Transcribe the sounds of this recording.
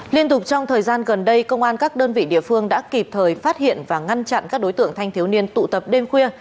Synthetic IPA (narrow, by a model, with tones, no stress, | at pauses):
li˧ənt̪ʊ˨˩k͡p̚t͡ɕɔ˧wŋ͡mt̪ʰəː˨˩jzaː˧nɣə˨˩nɗə˧jkə˧wŋ͡mʔaː˧nkaː˦˥k̚ɗəː˧nvḭ˧˨ɗḭ˧˨əfɨ˧əŋɗa̰ː˧˥ki˨˩p̚t̪ʰəː˨˩jfaː˦˥t̚hḭ˧˨ənvaː˨˩ŋa˧nt͡ɕa̰˧˨nkaː˦˥k̚ɗo˨˦jt̪ɨ̰˧˨əŋt̪ʰa˧jŋ̟t̪i˨˦əwni˧ənt̪ṵ˧˨t̪ə˨˩p̚ɗe˧mxwi˧ə